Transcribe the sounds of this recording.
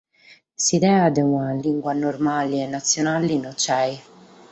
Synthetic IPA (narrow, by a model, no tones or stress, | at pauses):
sid̪ɛːad̪ɛunaliŋɡwanormaliɛnːat̪sːjonalinɔt͡ʃːɛj